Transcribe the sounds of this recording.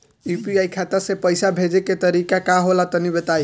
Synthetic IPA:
jupiajkʰat̪əɾsepəjsabʱed͡ʒeket̪əɾikakaɦolat̪ənibet̪aj

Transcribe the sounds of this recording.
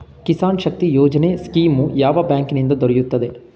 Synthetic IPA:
kisaːnʃɐk̚t̪ijoːd͡ʒɐneskiːmujaːʋɐbjaːŋkinind̪ɐd̪ɔɾɛjut̪ːɐd̪e̞

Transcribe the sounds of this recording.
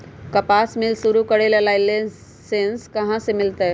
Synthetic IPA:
kɐpaːsmɪlsʊɾukɐɽeləlaːile | sẽnskɐɦãsemɪlt̪e

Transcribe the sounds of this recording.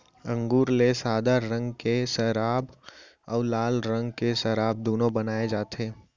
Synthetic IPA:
ə̃ŋɡuːɾlesaːd̪aɾə̃ŋɡkesəɾaːb | ɔːlaːlɾə̃ŋɡkesɐɾaːb̚d̪oːnõbənaːed͡ʒaːt̪ʰeː

